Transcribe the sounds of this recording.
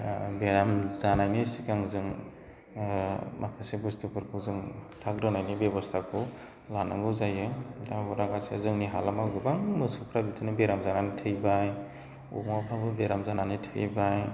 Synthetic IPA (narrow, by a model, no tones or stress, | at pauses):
beɾamzanajnisikaŋzɯŋ | makʰasebustupʰɯɾkʰɯzɯŋtʰakɾɯnajnibebɔstʰakʰɯ | lanɯŋɡɯwzajɯdabɔɾaɡasezɯŋniɦalamaɡɯbaŋmɯsupʰɾabitʰɯnɯbeɾamzananitʰɯjbaj | ṵmapʰabɯbeɾamzananitʰɯjbaj